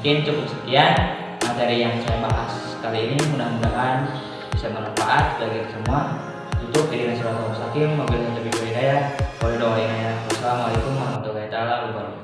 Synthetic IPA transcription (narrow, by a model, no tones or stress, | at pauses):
kɪnt͡ʃukʊp̚səkian | mat̪ɛɾijaŋsajabaɦasːə̥kaliːnimunahmundaŋan | bisamənanfaʔat̪̚baɡiksəmua | t̪ut̪ʊʔ̚kidinasulant̪ɔmusakɪmːɔbilkant̪apidɔinajapɔldɔinajaasalamalajkumwaɦamat̪uɡait̪alabubaɾu